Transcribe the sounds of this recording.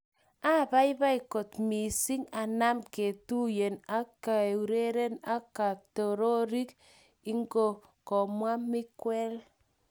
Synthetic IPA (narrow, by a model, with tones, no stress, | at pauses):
a˦˨βa˦i˦βa˦i˨ko˨tmi˨si˦ŋa˨na˦mke˨tu˦je˨na˦ka˨u˨ɾe˦ɾe˦na˦ka˨tɔ˨ɾo˦ɾi˦k | i˦ŋɡo˦˨ | kɔ˨mwa˦mɪ˦kwɛ˦l